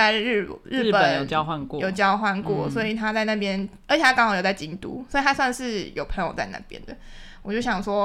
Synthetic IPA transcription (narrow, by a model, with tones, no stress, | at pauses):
ɻ̩˥˩ɻɨ˥˩˥pə˨ə˨˩˦njo˨˩t͡ɕjɑ˦ʊxwa˥˧nkwɔ˧jo˨ʊt͡ɕjɑ˦ʊxwa˥˧nkwɔ̰˥˨˩swɔ˧˥i˨˩t̪ʰa˦t͡sa˥˧ɪna˥˩pjɛ˦nə˧˥t͡ɕʰe˨˩a˥kɑ˧˥ŋʰxʰɑ̃˧˨ŋjo˨˩t͡sa˥˩t͡ɕi˧˥ŋt̪ṵ˦swɔ˧˥i˨˩a˥swa˥˧nʂɻ̩˥˩jo˨˩ʊpʰə˧˥˦ŋjo˨ʊt͡sa˥˧ɪna̰˥˩pjɛ̰˦nd̪ə˨wɔ˨˩t͡ɕjo˥˩ʊɕjɑ˨˩ŋʂwɔ˦